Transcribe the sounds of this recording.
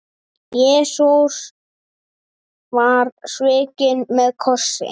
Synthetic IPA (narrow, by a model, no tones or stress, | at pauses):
jɛːsus | vaɾsvɪːcɪnmɛðkʰɔ̥sɪ̰